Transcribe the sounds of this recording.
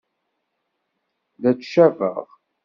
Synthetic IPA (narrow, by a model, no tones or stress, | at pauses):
ðæt͡sʃævə̰ʁ